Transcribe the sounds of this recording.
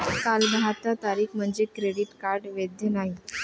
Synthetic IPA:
kalbaɦat̪at̪aɾiːkʰm̤əɳd͡zekɾeɽiʈkaɾɖʋed̪jənaɦi

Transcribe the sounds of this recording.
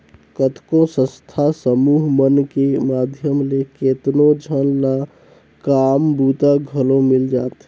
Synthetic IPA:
kət̪kõsə̃st̪ʰasəmuɦmənkemad̪ʱjəmleket̪nod͡ʒʱənna | kambut̪aɡʱəlõmild͡ʒaːt̪

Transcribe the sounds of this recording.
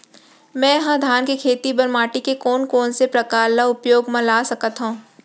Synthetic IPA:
mɛ̃jɐɦãd̪ʱaːnkekʰeːt̪ibɐɾmaːʈikekɔːnkɔːnsepɾɐkaːɾlaʊpjoːɡmãlaːsɐkət̪ɦõː

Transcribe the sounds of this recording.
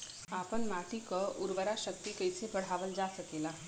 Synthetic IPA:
aːpənmaːʈikəʊɾʋəɾaʃək̚t̪ikəjsebəɽ̤aːʋəld͡ʒaːsɐkeːla

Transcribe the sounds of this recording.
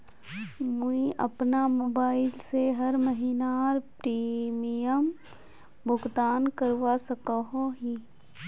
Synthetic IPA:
muiʔɐ̰pnamoːbaːɪlseɦɐɾməɦinaːɾpɾiːmijəm | bʊɡd̪aːnkəɾʋasɐkəɦoɦiː

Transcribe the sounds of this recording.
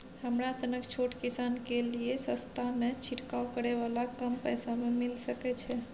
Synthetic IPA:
həmɾasənəkt͡ʃʰoʈkisankeliesəst̪ʰamet͡ʃʰiʈkaokəɾeʋalakəmpəjsamemilsəkɛt͡ʃʰɛ

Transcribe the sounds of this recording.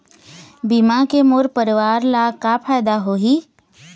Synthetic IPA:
bimakemoɾpəɾɪʋaːɾlakapʰaːjd̪aɦoɦiː

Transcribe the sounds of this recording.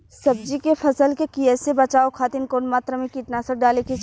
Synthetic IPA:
sɐb̚d͡ʒikefʰɐsəlkekiɛːsebɐt͡ʃaːokʰaːt̪ɪnkoːnmaːt̪ɾəmẽkiʈnasəɖaːlekit͡ʃ

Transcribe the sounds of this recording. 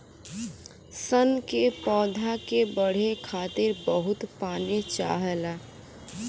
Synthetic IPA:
sənkepɔːd̪ʱakebəɽ̤ekʰaːt̪ɪɾbəɦʊt̪paːnet͡ʃa̰ːɦɛla

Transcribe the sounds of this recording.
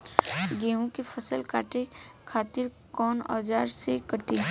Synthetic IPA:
ɡẽːɦũkepʰəsəlka̰ːʈekʰaːt̪ɪɾ | kɔːnɔ̰ːd͡ʒaːɾsekət̪i

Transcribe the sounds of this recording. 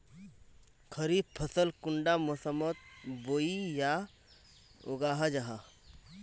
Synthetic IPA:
kʰəɾipʰəsəlkʊɳɖamosəmət̪̚boːija | o̰ɡaːɦad͡ʒaɦa

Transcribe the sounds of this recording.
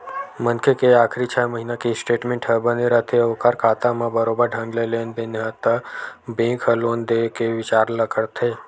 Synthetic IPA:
mə̃nkʰekeaːkʰɾit͡ʃʰaːjməɦiːnakisʈeːʈmẽːɳʈɦəbəneɾət̪ʰeoʋkaɾkaːt̪amãbəɾoːbəɾɖʱɐ̃ŋɡlelenbenɦət̪əbẽːkʰɦəloːnd̪ekeʋɪt͡ʃaːɾləkəɽt̪ʰeː

